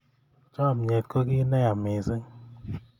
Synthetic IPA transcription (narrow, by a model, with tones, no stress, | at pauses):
t͡ʃɔ˦a˨mɲe˨tko˦ki˦nɛ˦ja˨mɪ˨sɪ˦ŋ